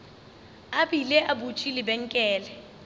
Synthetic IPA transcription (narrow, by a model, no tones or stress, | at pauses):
aɓilɛʔabut͡ʃʼilibɛŋkʼɛːlɛ